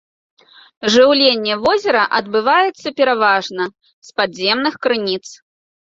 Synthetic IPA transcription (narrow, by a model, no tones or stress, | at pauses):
ʐɨwlʲenʲːɛvɔzʲɛɾɐʔɐd̪bɨvajɛt̪sːɐpʲɛɾavaʐnɐ | spad̪zʲɛmnɨxkɾɨnʲit̪s